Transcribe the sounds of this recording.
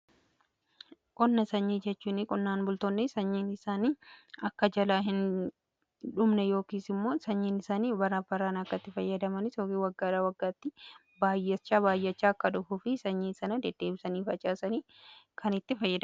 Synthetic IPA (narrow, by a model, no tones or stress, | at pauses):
kʼɔnːɐsɐɲːiːd͡ʒɛt͡ʃːuːnɪkʼɔnːaːnbʊlt̪onːɪsɐɲːiːnɪsaːniːɐkːɐd͡ʒɐlaːɦɪn | ᶑʊmnɛjo̞ːkiːsɪmːo̞ːsɐɲːiːnɪsaːniːbɐɾaːbɐɾaːnɐkːɐt̪ːɪfɐjːɐd̪ɐmɐnɪsjoːkiːwɐɡːaːᶑaːwɐɡːaːt̪ːɪ | baːjːɐt͡ʃːaːbaːjːɐt͡ʃːaːkːɐᶑʊfuːfɪsɐɲːiːnsɐnɐd̪ɛd̪̥ːeːbɪsɐniːfɐt͡ʃʼaːsɐniː | kʰɐnɪt̪ːɪfɐjːɐd̪ɐ